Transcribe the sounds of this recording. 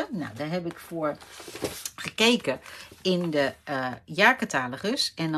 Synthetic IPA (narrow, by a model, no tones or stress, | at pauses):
əna̰wdaɦɛpɪkfoəɹ | χəkejkəɪndəjaːkətaːləχəsɛn